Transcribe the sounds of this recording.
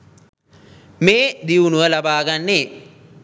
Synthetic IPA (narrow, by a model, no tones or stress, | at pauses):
meːd̪iʋunuʋəlabaːɡanːeː